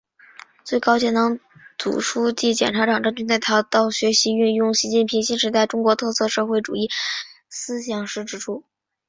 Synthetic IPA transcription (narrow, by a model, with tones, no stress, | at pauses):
t͡swe˥˩ɪkɑ˥ʊt͡ɕʰjɛ˥nnɑ˧˥ŋt͡sṵ˨˩ʂʰu˥t͡ɕi˥˩t͡ɕjɛ˨˩nʈ͡ʂʰa˧˥ʈ͡ʂɑ˨˩ŋʈ͡ʂnt͡ɕy˥nt͡s̪a˥˩ɪt̪ʰɑ˧˥ʊt̪ɑ˥˩ʊɕɥɛ˧˥ɕi˧˥y˥˧njʊ˥˩ŋɕi˧˥t͡ɕi˥˩npʰi˧˥ŋɕi˥nʂɻ̩˧˥t̪a˥˧ɪʈ͡ʂʊ˥ŋkwɔ˧˥t̪ʰɤ˥˧sʰɤ˥˧ʂɤ˥˧xwe˥˩ɪʈ͡ʂṵ˨˩i˥˩ | sɹ̩˥ɕjɑ˨˩ŋʂɻ̩˥˩ʈ͡ʂɻ̩˥ʈ͡ʂʰu˥